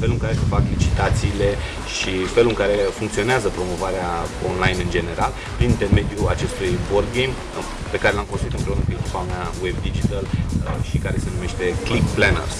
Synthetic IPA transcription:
fe̞luɨŋkaɾe̞sefaklit͡ʃit̪at̪siːle̞ | ʃife̞luɨŋkaɾe̞fuŋkt̪sio̞neazəpɾo̞mo̞vaɾeaonlajnɨnd͡ʒe̞ne̞ɾʔal | pɾinint̪e̞rme̞d̪juat͡ʃe̞st̪ujbord̪ɡejm | pe̞kaɾe̞lamkost̪ɾuit̪ɨmpɾe̞unəkuekʲi̥paumeawebd̪id͡ʒit̪əlʃikaɾe̞se̞nume̞ʃt̪e̞klikplenḛrs

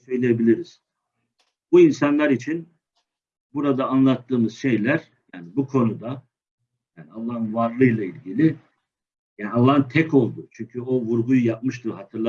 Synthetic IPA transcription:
søjlʲejebilʲiɾiz̥ | buinsanlˠaɾit͡ʃʰin | buɾad̪aːnlˠat̪ʰːɯːmɯz̥ʃe̞jlʲæɾ | jaːnibukʰo̞nud̪a | jaːnialˠːahɯnvaɾlˠɯjlˠailʲɟilʲi | jaːnialˠːaɦɯnt̪ʰɛko̞lˠd̪ʊt͡ʃʰyɲcʰyo̞vuɾɡujujap̚mɯʃt̪ʰɯɾɦat̪ʰɯɾlˠa

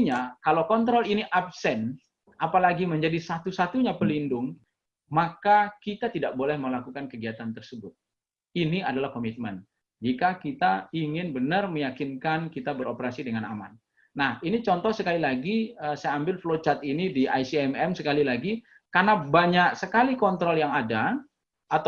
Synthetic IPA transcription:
ɲakalawkɔnt̪̬ɾɔliniʔap̚sɛn | ʔapalaɡiməɲd͡ʒadisat̪usat̪uɲapəlindʊŋ | makakit̪at̪idaʔ̚bolɛhməlakukankəɡiat̪ant̪ərsəbʊt̪̚ | iniadalahkomit̪̚mən | d͡ʒikakit̪aiŋɪnbənərməjakɪnkankit̪abəɾopəɾasidəŋana̰ma̰nː | ahinit͡ʃɔnt̪ɔhsəkalilaɡiəsajaambɪlflot͡ʃat̪inidiʔajsiɛmɛmsəkalilaɡi | karnabaɲak̚səkalikɔnt̪ɾɔljaŋada | at̪

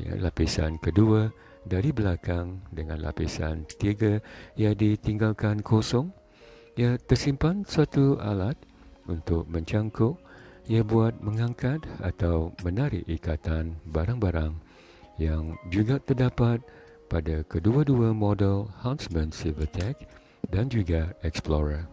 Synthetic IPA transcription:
ja̰lapisa̰nkəduə | daɾibəlakaŋdəŋã̰nlʔa̰pisa̰nt̪iɡajadit̪iŋɡalkankʰosɔŋ | jat̪ərsimpansuat̪ua̰lat̪̚ | unt̪ʊk̚mə̃ɲt͡ʃaŋkɔʔjabuat̪̚mə̃ŋãŋkat̪̚a̰t̪awmə̃naɾɪ̰ʔikat̪anbaɾaŋbaɾaŋ | jaŋd͡ʒuɡat̪ərdapat̪̚ | padakəduaduamɔdɛlhawnsmə̃nsilvət̪ʰɛk̚ | dand͡ʒuɡaɛksploɾə

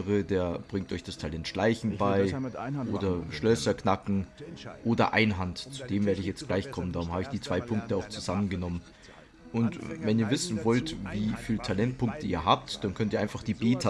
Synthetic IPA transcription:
ʁədeːɐb̥ʁɪŋtʔɔʏçd̥astʰalɛntʃlaɪçn̩baɪʔoːdɐʃlœsɐknakŋ̩ʔoːdɐ̰ʔa̰ɪnɦantt͡su̥d̥eːmveːɐɾəɪçjɛt͡st̚ɡ̥laɪçkʰɔməndaːʁʊmhaːbəɪçd̥iːt͡sv̥aɪpʰʊŋk̚təaʊxt͡suzamənɡənɔmən | ʔʊntvɛniːɐvɪsn̩vɔltviːfiːltʰalɛnt̚pʰʊŋk̚tʰəiːɐɦaːp̚td̥ankʰœntiːaɪnfaχd̥iːbeːtʰa

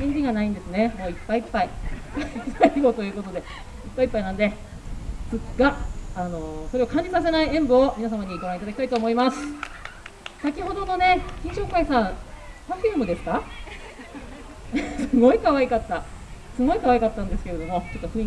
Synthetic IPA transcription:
ẽɲʲɡʲiɡanaĩnd̪e̞sɨne̞mo̞ːipːaiːpːai | ɨaiɡo̞t̪o̞jɯ̟ːko̞t̪o̞d̪e̞ | ipːaipːainãnd̪e̞ | sɨɡaːno̞soɾe̞akãɲ̟d͡ʑisas̬enaiẽ̞mbɯomʲinas̬amaɲ̟iɡoɾãit̪ad̪akʲit̪ait̪o̞ːmo̞imasɨ̥ | sakʲiɦo̞d̪o̞d̪o̞ne̞kʲĩɰ̃ɕo̞ːkaisãpãɸiɯmɯ̟d̪e̞sɨ̥ka | sɨɡo̞ikaβaikat̪ːa | sɨɡo̞ikaβaikat̪ːãnd̪e̞sɨ̥ke̞ɾe̞d̪o̞mo̞t͡ɕo̞t̪ːoɸɯ̃

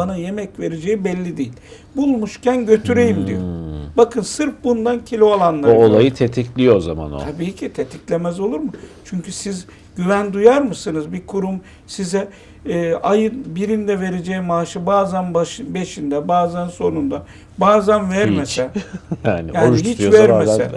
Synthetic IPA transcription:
anaje̞mɛcve̞ɾed͡ʒejibɛlʲːid̪ejilʲ | bulˠmuʃcʰænɟø̞t̪ʰyɾejimd̪ijo̰bakʰɯnsɯɾpbund̪ancʰilʲiolˠanlˠaɾolˠajɯt̪ʰet̪ʰiclʲijoza̰ma̰no̰abiːcʰit̪ʰet̪ʰiclʲemɛzo̞lˠuɾmut͡ʃʰyɲcysiz | ɟ̥yvænd̪ujaɾmɯsɯnɯzbikʰuɾum | sizɛː | ajɯnbiɾind̪ɛve̞ɾe̞d͡ʒɛjimaːʃɯbaːzænbaʃɯbe̞ʃind̪ɛbaːzænso̞nund̪a | baːzænvæɾmesɛjaːnijaːonihit͡ʃvæɾesɛ

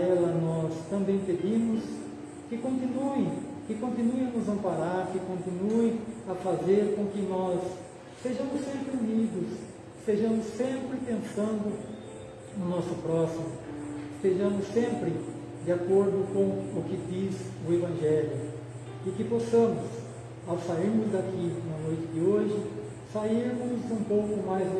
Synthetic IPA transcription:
ɛlɐnɔst̪ɐ̃mbẽj̃ped̪ĩmʊs | kɪkõnt̪ĩnuẽkɪkõnt̪ĩnuẽɐnʊzɐ̃mpaɾaɾkɪkõnt̪ĩnuẽj̃ɐfazeɾkõkɪnɔsː | eʒɐ̃mʊsːẽmpɾɪunid̪ʊs | st̪eʒɐ̃mʊsːẽmpɾɪpẽnsɐ̃nd̪ʊ | nʊnɔsʊpɾɔsimʊɪst̪eʒɐ̃mʊsːẽmpɾɪ | d̪ɪakoɾd̪ʊkõw̃ʊkɪd̪izʊevɐ̃ʒɛljʊ | ɪkɪpɔsɐ̃mʊs | awsaiɾmʊzd̪akʰinɐnojt͡ʃɪd̪ɪoʒɪ | saiɾmʊzũpowkʊmajz

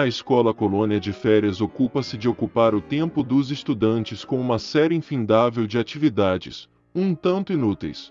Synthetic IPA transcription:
ɐeskɔlɐkolõniɐd͡ʒɪfɛɾiɐzokupɐsɪd͡ʒɪokupaɾʊt̪ẽmpʊd̪ʊzest̪ud̪ɐ̃nt͡ʃɪskõũmɐsɛɾɪĩfĩnd̪avewd͡ʒɪat͡ʃivid̪ad͡ʒɪ̰s | ũt̪ɐ̃nt̪ʊinut̪ḛjs

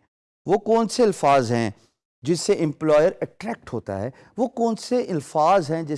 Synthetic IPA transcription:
ʋoːkɔːnseɪlfaːzɦɛ̰̃ː | d͡ʒɪsːeʔɪ̃mplɔːjəɾɛʈɾɛːk̚ʈɦo̰ːt̪a̰ɦɛ̰ː | ʋokɔːnseʔɪlfaːzɦɛ̃d͡ʒɪ

